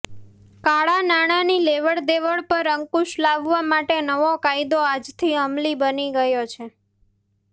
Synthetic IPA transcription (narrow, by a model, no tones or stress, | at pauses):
kaɭanaɽ̃anileʋəɭd̪eʋəɭpəɾəŋkuʃlaʋʋamaʈenəʋokajd̪oad͡ʒt̪ʰiəmlibəniɡəjot͡ʃʰe